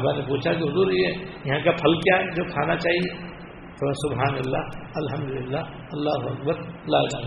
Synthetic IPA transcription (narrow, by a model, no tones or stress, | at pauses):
ɐmɛ̃ːnepuːt͡ʃʰakiɦʊzuːɾiɛːjɐɦãkapʰɐlkjad͡ʒoːkʰaːnat͡ʃaːɦie | sʊbɦaːnɐlːa̰ɐlɦɐ̃md̪ʊlɪlːa | ɐlːaːɦʊɐk̚bəɾlaːd͡ʒaː